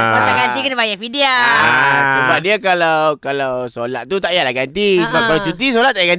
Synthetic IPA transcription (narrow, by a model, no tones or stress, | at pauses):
ət̪aŋɡant̪ikənəbajaʔfidiaasəbap̚diakalawkalawsolat̪̚t̪ut̪aʔjalahɡant̪isəbap̚kalawt͡ʃut̪is̬olat̪̚ːaʔjaɡan